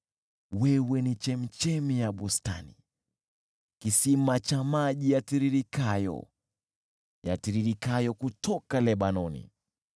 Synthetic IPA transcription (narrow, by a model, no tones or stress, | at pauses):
wɛwɛnit͡ʃɛm̩t͡ʃɛmijaɓusta̰nḭ | kisimat͡ʃamaʄijatiɾiɾikajɔ̰ | ja̰tiɾiɾikajɔkutʰɔkalɛɓanɔnḭ